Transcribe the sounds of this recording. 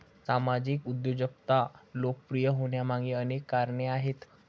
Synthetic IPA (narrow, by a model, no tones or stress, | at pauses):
samad͡ʑiːkud̪jod͡ʑək̚t̪alokəpɾijəɦoɳjamãŋɡiənekːaɾɳeaɦet̪